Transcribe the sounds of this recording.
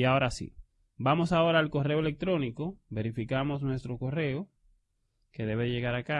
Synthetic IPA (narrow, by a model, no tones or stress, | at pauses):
iao̞ɾasḭ | bamo̞sao̞ɾaːlko̞re̞oe̞le̞k̚t̪ɾo̞niko̞βe̞ɾifikamo̞s̬nwe̞st̪ɾo̞ko̞re̞o | ke̞ðe̞βe̞ðeʝe̞ɣaɾaka